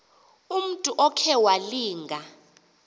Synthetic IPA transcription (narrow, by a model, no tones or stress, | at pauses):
um̩tʼuʔɔkʰɛwaliːŋɡʱa